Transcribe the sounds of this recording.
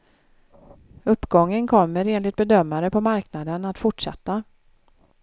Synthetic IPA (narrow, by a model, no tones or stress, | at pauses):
ɵpːɡɔŋːənkʰɔmːəɾeːnlɪɡ̚t̪̚bɛd̪œmːaɾəpʰɔmaɾknad̪ənat̪fʊʈʂa̰t̪ːa